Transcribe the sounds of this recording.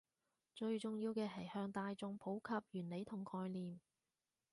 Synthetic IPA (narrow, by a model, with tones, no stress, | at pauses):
t͡ʃɵ˧ɥt͡sʊ˨ŋjiː˧wkɛː˧ɦɐ˨˩jhœː˧ŋt̪aː˧jt͡sʊ˧ŋpʰo˨˥wkʰɐ˧p̚jyː˨˩nle˨˧jt̪ʰʊ˨˩ŋkʰɔː˧jliː˨˩m